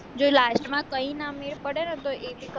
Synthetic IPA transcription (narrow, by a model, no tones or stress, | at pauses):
d͡ʒolasʈmãkəinameɭpəɽenet̪oʔeʋik